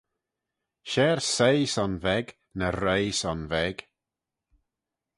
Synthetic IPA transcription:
ʃɛːɹsejsɔnvɛɡ | nəɾejsɔnvɛɡ̥

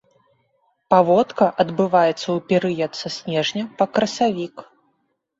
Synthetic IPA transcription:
pavɔt̪kɐʔɐd̪bɨvajɛt̪sːɐwpʲɛɾɨjɐt̪sɐsʲnʲɛʐnʲɐpɐkɾɐsavʲik

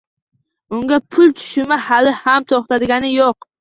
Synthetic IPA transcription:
ʊŋɡʲapʰʊlˠt̪ʰʊ̥ʃɪmahalɪhamt̪ʰɒχt̪ʰad̪ɪɡʲanɪjoq

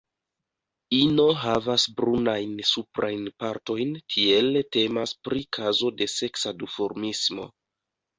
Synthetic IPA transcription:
ino̞ɦavasbɾunajnsupɾajnpaɾto̞jntʰie̞lte̞maspɾʔikʰazo̞de̞se̞ksadufo̞ɾmismo̞̰

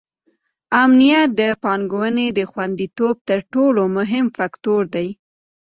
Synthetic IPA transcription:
amnijat̪̚d̪əpɑnɡowəned̪əxwand̪it̪ob̚t̪əɾʈolomʊɦɪmfakt̪oɾd̪aj

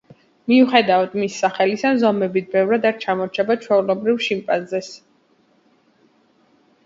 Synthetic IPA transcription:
miuχɛd̪aad̪misːaχɛlisazɔmɛbit̪̚ʰbɛvɾad̪aɾt͡ʃʰamɔɾt͡ʃʰɛbat͡ʃʰwɛulɔbɾivʃimpʼanzɛs

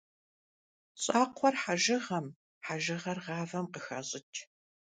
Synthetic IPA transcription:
ɕʼaːqʷʰɔrħaʒɪʁɐm | ħaʒɨʁɐrʁɑːvɐmqəxɐɕʼɪtʰʼ

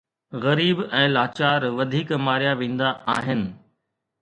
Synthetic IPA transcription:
ɣɐɾiːbɛ̃ːlaːt͡ɕaːɾʋɐd̪ʱiːkmaːɾijaʋẽːn̆d̪aʔaːɦɪnɪ̆

